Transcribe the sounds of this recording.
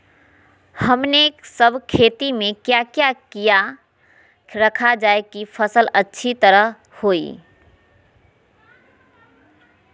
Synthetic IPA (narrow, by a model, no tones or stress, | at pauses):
həmneksəbʱkʰet̪imekjakjakija | ɾəkʰad͡ʒaekipʰəsələtːʃʰit̪əɾə | hoi